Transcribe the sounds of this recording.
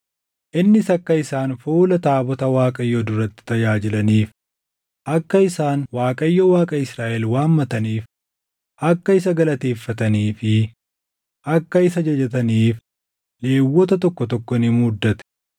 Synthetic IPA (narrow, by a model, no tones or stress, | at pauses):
ʔɪnːɪsɐkːɐɪsaːnfuːlɐt̪aːbɔt̪ɐwaːkʼɐjːod̪ʊɾɐt̪ːɪ̥t̪ɐjaːd͡ʒɪlɐniːf | ʔɐkːɐɪsaːnwaːkʼɐjːowaːkʼɐɪsɾaːʔɛlwaːmːɐt̪ɐniːf | ʔɐkːɐɪs̬ɐɡɐlɐt̪e̞ːfːɐt̪ɐniːfɪ | ʔɐkːɐɪsɐd͡ʒɐd͡ʒɐt̪ɐniːf | le̞ːwːɔt̪ɐt̪ɔkːɔt̪ɔkːɔɪnɪmʊd̪ːɐt̪ɛ̥